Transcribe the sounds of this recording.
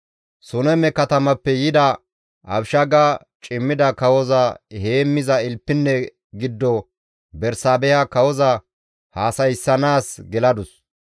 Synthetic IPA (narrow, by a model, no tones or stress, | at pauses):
sʊnɛmɛkɐt̪ɐmɐpːɛjɪd̪ɐ | ʔɐbʃɐɡa | t͡ʃʼɪmːɪd̪ɐkɐwɔzɐheːmːɪzɐɪlpːɪnːɛ | ɡɪd̪ːɔ | bɛɾsaːbɛjɐkɐwɔzɐ | haːsɐjsːɐnaːsɡɛlɐd̪ʊs